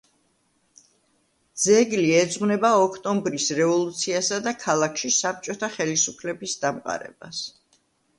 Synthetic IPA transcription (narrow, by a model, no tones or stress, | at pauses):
d̪zɛɡliɛd̪zʁwnɛbaɔkʰt̪ʼɔmbɾisɾɛvɔlˠut̪sʰiasad̪akʰalˠakʰʃisap̚t͡ʃʼɔt̪ʰaχɛlisupʰlɛbisd̪amqʼa̰ɾɛ̰ba̰s